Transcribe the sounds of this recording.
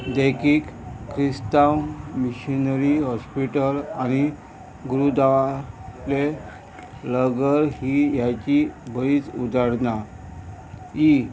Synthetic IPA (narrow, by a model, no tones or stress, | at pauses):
d̪ekikːɾist̪awmiɕinəɾiɦɔspiʈəlañi | ɡuɾud̪aʋale | ləɡəɾhijat͡ɕibəɭiːt͡sud̪aɽna | i